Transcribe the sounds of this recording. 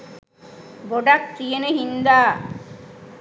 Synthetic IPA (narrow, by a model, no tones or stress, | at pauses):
boɖak̚tijeneɦind̪aː